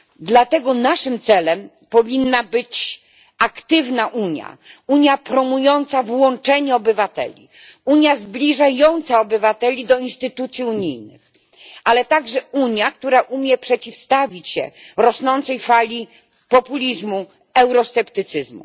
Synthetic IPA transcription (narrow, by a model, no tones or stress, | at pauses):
d̪lat̪ɛɡɔnaʂɘmt̪sɛlɛm | pɔvʲinːabɘt͡ɕ | akt̪ɘvnaʔuɲja̰uɲjapɾɔmujɔnt̪savwɔnt͡ʂɛɲɛɔbɘvat̪ɛ̰lʲḭ | uɲjazblʲiʐajɔnt̪saɔbɘvat̪ɛlʲid̪ɔinst̪ɘt̪ut̪sʲjiuɲijnɘ̰x | ʔalɛt̪aɡʐɛuɲjak̚t̪uɾaʔumʲjɛpʂɛt͡ɕifst̪avʲit͡ɕɕɛ̰ɾɔsnɔnt̪sɛjfalʲi | pɔpulʲizmu | ɛwɾɔst̪ɛpt̪ɘt̪sɘzmṵ